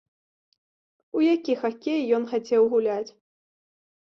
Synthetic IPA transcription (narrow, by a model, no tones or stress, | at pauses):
ujakʲixakʲɛjjɔnxat͡sʲɛwɣulʲat͡sʲ